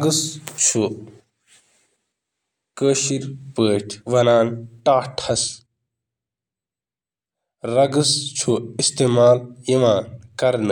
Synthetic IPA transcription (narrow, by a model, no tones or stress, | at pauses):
ɡɨst͡ʃʰu | kəːʃiɾpəːʈʰʋɐnaːnʈaːʈʰhɐs | ɾɐɡɨst͡ʃʰuist̪eːmaːljiʋaːnkɐɾnɨ